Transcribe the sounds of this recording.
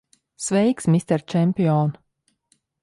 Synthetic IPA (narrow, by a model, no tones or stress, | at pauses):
svɛjksmist̪ɛɾt͡ʃɛmʲpʲiɔn